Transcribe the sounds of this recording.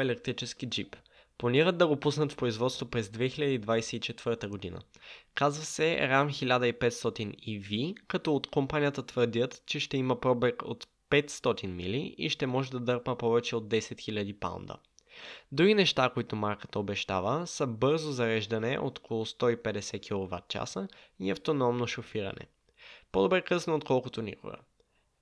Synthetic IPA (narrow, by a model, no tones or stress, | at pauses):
ɛlɛk̚t̪ɾit͡ʃɛsk̟id͡ʒip | plˠɐniɾəd̪̚d̪ɐɡopusnɐt̪fpɾoizvɔt̪st̪vopɾɛzd̪vɛxilʲad̪əid̪vajsɛit͡ʃɛt̪v̥ɤɾt̪əɡod̪inə̰kazvəsɛɾamxilʲad̪əipɛt̪st̪ɔt̪inivikɐt̪ɔot̪kompanijət̪ət̪vəɾd̪ʲət̪t͡ʃɛʃt̪ɛimɐpɾɔbɛko̰t̪ | pɛt̪st̪ɔt̪inmiliḭʃt̪ɛmɔʒɛd̪ɐd̪ɤɾpəpɔvɛt͡ʃɛod̪ːɛsɛt̪xilʲɐd̪ipa̰wnd̪ə̰ | d̪ɾuɡinɛʃt̪akoit̪ʊmaɾkə̥t̪əobɛʃt̪avəsəbɤɾzozɐɾɛʒd̪ɐnɛʔo̰t̪o̥kolˠost̪ɔipɛd̪ɛsɛk̟ʲilˠova̰t̪̚t͡ʃa̰səiɐft̪onɔmnoʃofiɾɐ̰nɛ̰ | pod̪obɾɛkɤsnoːt̪kɔlˠkot̪onḭko̰ɡə̰